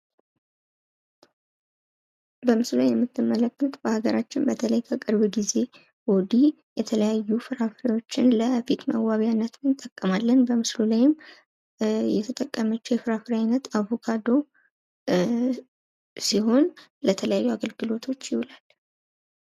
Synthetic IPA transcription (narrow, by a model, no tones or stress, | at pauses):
bəmɨslulajɛmːɨt̪ʰːɨmːələkːɨt̪bəhaɡəɾat͡ʃːɪnbət̪ʰələjkʰəkʼɨɾβɨɡize̞ | wɔd̪i | jɛt̪ʰələjajːufɨɾafɾawo̞t͡ʃːɪnləfit̪mə̰wwaβijanːət̪mɨnt̪ʼəkʼːəmalːənbəmɨslulajɪm | jɛt̪ʰət̪ʼəkʼːəmət͡ʃːjɛfɨɾafɨɾajnət̪aβo̞kʰad̪o̞ | siɦo̞nlət̪ʰələjajːuaɡəlɡɨlo̞t̪ʰo̞t͡ʃːjɪhulal